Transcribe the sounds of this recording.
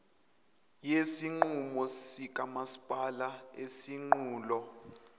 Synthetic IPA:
jesiŋ͡ǃumɔssikʼamasi̥pʼalaesiŋ͡ǃuːlɔ

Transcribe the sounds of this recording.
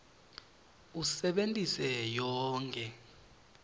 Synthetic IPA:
usɛɓentʼisɛjɔːŋkʼɛ

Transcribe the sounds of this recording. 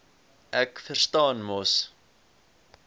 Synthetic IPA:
ʔɛkfərstɑːnmɔs

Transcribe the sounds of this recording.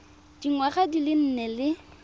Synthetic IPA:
d̥iŋwaχadilɪn̩ːnɛlɪ

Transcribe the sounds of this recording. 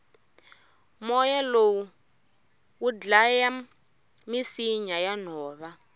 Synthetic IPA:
mɔjalowu | ud͡ɮaja | misiɲajan̤ɔːβa

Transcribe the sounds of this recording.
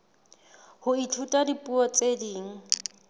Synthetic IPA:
hʊit͡ɬʰutʼadipʼuɔt͡sʼediːŋ̩

